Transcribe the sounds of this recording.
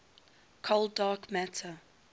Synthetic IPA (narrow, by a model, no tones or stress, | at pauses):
kʰoldɑːkmætʰə